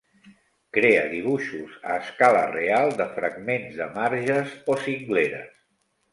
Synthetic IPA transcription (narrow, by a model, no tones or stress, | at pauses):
kɾeə̰ðiβ̞uʃuzə̰ːskalə̰realˠd̪əfɾəɡmenzðəmaɾʒəzosiŋɡleɾə̰s